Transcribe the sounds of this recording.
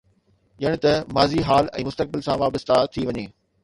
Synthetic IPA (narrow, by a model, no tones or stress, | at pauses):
ʄɐɽ̃̆t̪ɐmaːziɦaːlɛ̰̃ːmʊst̪ək̚bɪlsãʋaːbəst̪at̪ʰiʋɐɲeː